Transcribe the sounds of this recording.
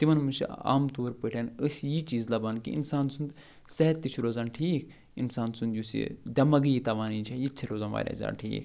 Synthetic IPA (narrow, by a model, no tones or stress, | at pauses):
t̪imɐnmut͡ʃʰḭa̰ːmt̪oːɾpəʈʰʲjanəsjit͡ʃiːzlɐbaːnkḭḭnsaːnsund̪ | sɛɦɛt̪ːit͡ʃʰuɾoːzaːnʈʰiːkʰ | insaːnsund̪jusḭd̪ʲɐmɐɡjit̪ɐʋaːniːt͡ʃʰɐjit͡ʃʰiɾoːzaːnʋa̰ːɾʲa̰ːzʲa̰ːʈʰḭːkʰ